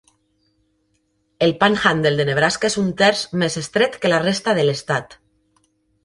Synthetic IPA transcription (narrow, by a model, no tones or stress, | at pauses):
elpaŋxand̪eld̪eneβ̞ɾaskesunt̪eɾsmesest̪ɾet̪kelarest̪aðelest̪at̪